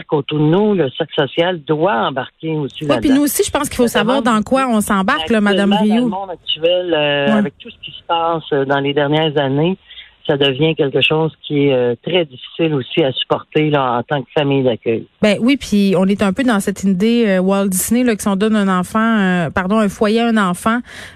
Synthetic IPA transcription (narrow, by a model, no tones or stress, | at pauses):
kot̪uʁd̪ənuləsɪksɔsjald̪waɑ̃baʁkʲeosilwɛpinuosiʒəpɑ̃ski̥fosavwaːʁd̪ɑ̃kwaɔ̃sɑ̃baʁkklʌmad̪amʁijomɔ̃d̪ak̚t̪yɛløɛavɛk̚t̪usə̥kʲi̥sə̥pɑːsəd̪ɑ̃led̪ɛʁnjɛːʁzanesad̪əvjɛ̃kʲɛlkəʃɔːzkʲiɛøt̪ʁɛdd͡zifi̥sɪlosiasy̥pɔʁt̪elʌɑ̃t̪ɑ̃kfamijd̪akʲœ̰jbɛ̃wipʰiɔ̃nɛt̪œ̃pød̪ɑ̃sɛt̪id̪eøwald̪isnelʌksiɔ̃d̪ɔnɛ̃nɑ̃fɑ̃øpaʁd̪ɔ̃ɛ̃fwajeɛ̃nɑ̃fɑ̃